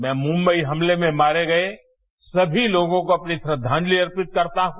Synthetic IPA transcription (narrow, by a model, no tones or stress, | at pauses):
mɛ̃ːmʊ̃mbəiɦɐmlemẽmaːɾeɡɐe | sɐbʱiloːɡõkoɐpnisɾəd̪ʱːaːnliɐɾpɪt̪̚kɐɾt̪aɦũ